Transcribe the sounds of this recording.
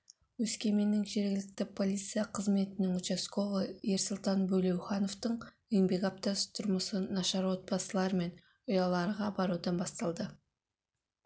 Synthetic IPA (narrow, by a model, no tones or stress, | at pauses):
wɵskʲe̞me̞nɪŋʒe̞ɾɡʲɪlɪk̚t̪ɪpʰo̞lʲit̪sɨijɑqʰəzme̞t̪ɪnɪŋut͡ʃe̞sko̞vəje̞ɾsʊlˠt̪ɑnbɵle̞wχɑno̞ft̪əɴ | eŋbe̞ɡap̚t̪ɑst̪ʰʊɾməsənɑʃɑɾwo̞t̪̚pɑsəlˠɑɾme̞n | ʊjɑlˠɑɾəʁɑbɑɾud̪ɑnbɑst̪ɑlˠd̪ə